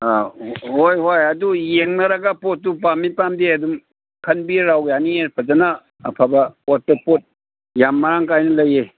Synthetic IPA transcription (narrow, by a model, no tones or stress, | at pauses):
aɦojɦojɐdujeŋnɐɾɐɡapotːup̬amːipamdeɐdum | kʰɐnbiɾawjaniepʰɐzanaː | pʰabɐɔtːɐpot̚ | jamːaɾaŋkajnɐlɐje